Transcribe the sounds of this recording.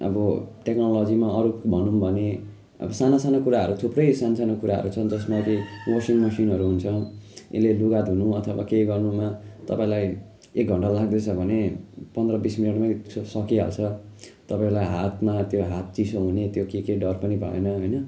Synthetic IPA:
ʌ̰bʌʈeknolod͡zimaʌɾubʱʌnumbʱʌne | ʌ̰bʌsanasanokuɾaɦʌ̰ɾut̪ʰuprʌjsanasanokuɾaɦʌ̰ɾut͡sʰʌnd͡zʌsmakiwosiŋmʌsinɦʌɾuɦunt͡sʰʌḛleluɡat̪ɦunuʌt̪ʰʌbakejɡʌrnumat̪ʌpãĩlaj | ek̚ɡʱʌɳʈalaɡd̪et͡sʰʌbʱʌnepʌnd̪rʌbisminiʈmasʌkiɦa̰lt͡sʰʌ | t̪ʌpãĩlajɦat̪mat̪joɦat̪̚t͡sisoɦunet̪jokekeɖʌrpʌnibʱʌ̰ḛnʌɦojnʌ

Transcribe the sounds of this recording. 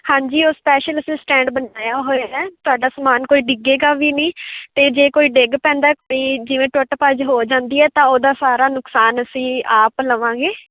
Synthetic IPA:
hãːɲd͡ʒiːoːspɛːʃələsĩːsʈɛ̃ːɳɖbənaːjaːɦoːeɛːt̪ʊaːɖaːsəmaːnkoːiːɖɪɡeːɡaːʋiːnĩːt̪eːd͡ʒeːkoːiːɖeɡpɛ̃ːnd̪aːkp̪iːd͡ʒɪʋẽːʈəʈəpəd͡ʒɦoːd͡ʒãːnd̪iːɛːt̪ãːoːd̪aːsaːɾaːnʊksaːnəsĩːaːpləʋãːɡeː

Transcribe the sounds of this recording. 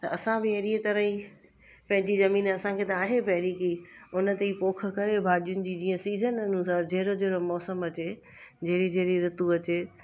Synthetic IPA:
t̪ɐɐsãbɪɐɾiət̪ɐɾəɦĩ | pɐ̃ɦɪ̃ɲd͡ʑizɐmiːnɐsãkʰet̪ɐaːɦepɐɦɪɾikiʊnə̆t̪eipoːk̆ʰkɐɾebʱaːɗijʊnɪ̆d͡ʑiːd͡ʑĩːə̃siːzənɐnũsaɾd͡ʑɐɦɾod͡ʑeɦɽomɔːsəmɐt͡ɕe | d͡ʑɐɦɾid͡ʑɐɦɾiɾʊt̪uɐt͡ɕeː

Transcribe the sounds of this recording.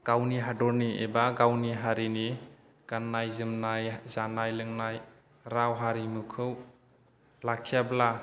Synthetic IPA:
ɡ̥awniɦadɔɾniebaɡawniɦaɾini | ɡ̥anːajzɯmnajzanajlɯŋnaj | ɾawɦaɾimɯkʰɯw | lakʰijabla

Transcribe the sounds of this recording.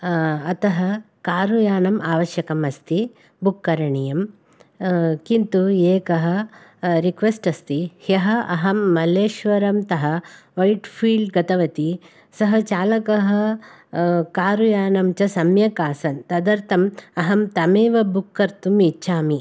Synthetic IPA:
ɐt̪ɐɦɐ | kaːɾujaːnɐmaːʋɐʃjɐkɐmɐst̪i | bukːɐɾɐɳijɐm | kint̪ueːkɐɦɐ̆ɾikʋesʈɐst̪ihjɐɦɐʔɐɦɐmːɐleːʃʋɐɾɐmt̪ɐɦɐ̆ʋɐjʈpʰiːɭɖɡɐt̪ɐʋɐt̪i | sɐɦɐt͡ʃaːlɐkɐɦɐ̆ | kaːɾujaːnɐmt͡ʃɐsɐmjɐkaːsɐnt̪ɐd̪ɐɾt̪ɐmɐɦɐmt̪ɐmeːʋɐbukːɐɾt̪umitːʃʰaːmi

